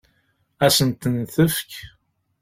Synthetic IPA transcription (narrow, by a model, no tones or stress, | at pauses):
æsənt̪ənθəfk